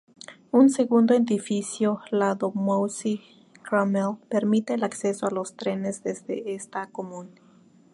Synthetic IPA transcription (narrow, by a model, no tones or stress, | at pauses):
unseɣund̪oed̪ifisjolaðomowsi | kɾamelpeɾmit̪eːlaksesoalost̪ɾenezd̪ezd̪ḛest̪akomun